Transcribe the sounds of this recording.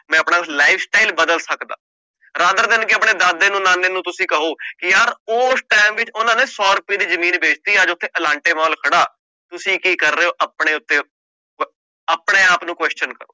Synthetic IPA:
mɛ̃ːəpɳaːlaːɪfsʈaːilbəd̪əlsəkd̪a̰ː | ɾaːd̪əɾd̪ɪnkɪəpɳeːd̪aːd̪eːnũːnaːnːeːnũːt̪ʊsĩːkəɦoːkɪjaːɾoːsʈaːmʋɪt͡ʃʊnãːneːsɔːɾʊpːiːd̪iːzəmiːnbeːt͡ʃt̪iːaːd͡ʒʊt̪ʰːeːʔəlãːɳʈeːmaːlkʰəɽaː | t̪ʊsĩːkiːkəɾːeːoːʔapɳeːʊt̪ːeː | əpɳeːaːpnũːkwɛːst͡ʃənkəɾo̰ː

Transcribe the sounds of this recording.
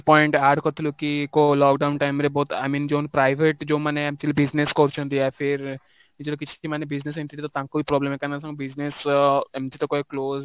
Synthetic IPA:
pɔjiɳʈaːɖkɐt̪ːulukikolɔːkɖɐwnʈɐjmɾeboːt̪a̰ːmiːnd͡ʒoːnpɾɐjʋeʈd͡ʒoːmɐneemt͡ʃilubid͡ʒneskoɾt͡ʃund̪iapʰiɾ | nid͡ʒoluk̬it͡ʃːi̥t͡ʃːimɐnebid͡ʒnes̬eɳʈiʈit̪ot̪ɐŋkuipɾɔːblemekɐnas̬ɐŋɡmbid͡ʒnesemʈ̪it̪oːkokloːz

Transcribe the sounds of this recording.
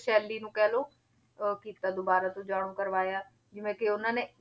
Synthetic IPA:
ʃɛːlːiːnũːkɛːloː | kiːt̪aːd̪obaːɾaːt̪õːd͡ʒaːɽ̃õːkəɾʋaːjaː | d͡ʒɪʋẽːkɪʊnãːneː

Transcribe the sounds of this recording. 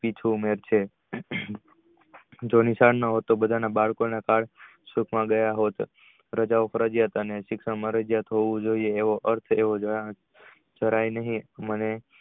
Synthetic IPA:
pit͡ʃʰuːmeɾt͡ʃʰe | d͡ʒonisaɽnaɦot̪ːobəd̪ʱanabaɭkonakaɽ | sukʰmãɡəjaɦot̪ | ɾəd͡ʒaʋofəɾəd͡ʒjat̪əneʃɪkʃəɳmãɾəd͡ʒjat̪ɦoʋũd͡ʒoieːʋoʔəɾt̪ʰeʋod͡ʒ | d͡ʒəɾajnəɦĩməne

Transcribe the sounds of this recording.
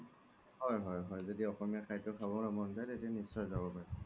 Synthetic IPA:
hɔjɦɔjɦɔjzodiɔxɔmiaxʰajtʊkʰabɔnamɔnzajtetɛnisɔjzabɔpaɹi

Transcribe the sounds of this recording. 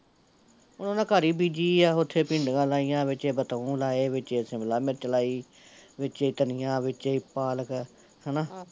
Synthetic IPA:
ʊnõːnãːkaːɾiːbiːd͡ʒiːaːʊt̪ʰːeːpĩːɳɖɡãːlaːijãːʋɪt͡ʃeːbət̪əũːlaːeːʋɪt͡ʃeːsɪmlaːmɪɾt͡ʃəlaːiː | ʋɪt͡ʃeiːt̪ənɪjãːʋɪt͡ʃeiːpaːlək | hənaː

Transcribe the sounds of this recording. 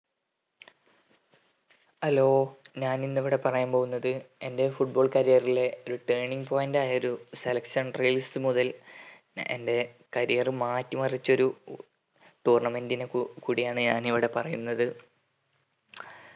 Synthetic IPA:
ɐlo̞ːɲaːninːiʋiɽe̞pɐrɐjaːmpoɣunːɐðɨende̞fuʈ̚bo̞ːɭkɐɾijɐrile̞o̞ɾuʈeːɳiŋɡpoːjndaːjɐo̞ɾuselɐkʂɐɳrejlisɨmuðɐl | ḛnde̞ | kɐɾijerɨmaːtːumɐrit͡ɕːo̞ɾu | ʈuːrɳɐme̞ndinekuːɽijaːɳɨɲaːniʋiɽe̞pɐrɐjunːɐðɨ

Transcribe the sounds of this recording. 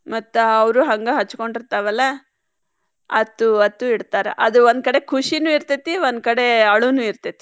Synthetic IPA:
mɐt̪ːuɐʋɾuɦɐŋɡɐɦɐt͡ʃːu̥ko̞ɳɖiɾt̪aʋɐlːɐ | ɐt̪ːuɐt̪ːuiɽt̪aːɾeʔɐd̪uʋond̪̚kɐɽe̞kʰuʂinuːiɾt̪it̪ːiʋond̪̚kɐɽe̞ɐɭunuːiɾt̪it̪i

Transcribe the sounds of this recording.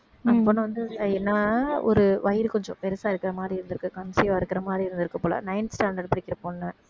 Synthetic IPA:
ɐpːoːnːɯʋɐnd̪ɯɛnːaɔ̰ɾɯʋɐjɪɾkɔɲd͡ʒɔ̰̃pɛɾɯsaːɪɾɯkːɪɾɐmaːd̪ɾiɪɾnd̪ɯɾɯkːɯkɐnsɪjãːɪɾɯkːɪɾɐmaːd̪ɾiɪɾɯnd̪ɯɾɯkːɐpoːlɐ̰nɐɪnsʈaːɳɖɐɽpɐɽɪkːɪɾɐpoːnːɐ

